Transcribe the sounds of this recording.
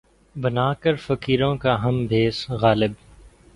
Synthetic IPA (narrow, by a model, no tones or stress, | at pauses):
bɐnaːkəɾfɐkiːɾõːkaɦɐmbʱeːsɣaːlɪb